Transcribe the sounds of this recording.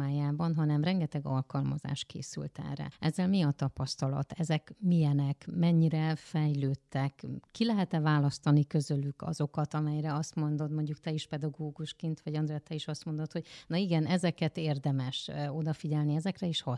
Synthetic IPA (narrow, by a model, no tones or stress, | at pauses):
aːjaːbɒnɦɒnɛmrɛŋɡɛt̪ɛɡɒ̰lkɒlmɒza̰ːʃkḛːsy̰lt̪ɛ̰rɛ̰ɛzːɛlmiɒt̪ɒpɒst̪ɒlɒ̰t̪ɛzɛkmijɛnɛkmɛɲːiɾɛfɛjløːt̪ːɛkːilɛɦɛt̪ɛvaːlɒst̪ɒnikø̞zølykʰɒ̰zo̞kɒt̪ɒmɛjɾɛɒst̪mo̞nd̪od̪mo̞ɲɟukt̪ɛiʃpɛd̪ɒɡoːɡuʃkint̪ʋɒɟɒnd̪ɾɛɛt̪ːɛiʃɒst̪mo̞nd̪o̞t̪ho̞ɟnɒiɡɛnʔɛzɛkɛt̪eːrd̪ɛmɛʃo̞d̪ɒfiɟɛlniɛzɛkrɛiʃhɒ